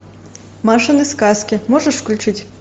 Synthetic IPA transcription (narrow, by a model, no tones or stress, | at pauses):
maʂɨnɨskaskʲimɔʐɐʂklʲut͡ʂɨt͡sʲ